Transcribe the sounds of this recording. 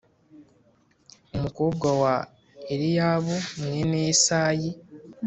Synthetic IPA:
omukuɡawa | eɾijaːβuŋeneːsaːji

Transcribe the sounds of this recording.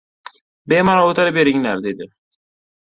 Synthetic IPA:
bemɒɾaot̪ʰaɾɪbeɾɪŋlaɾd̪ed̪ɪ

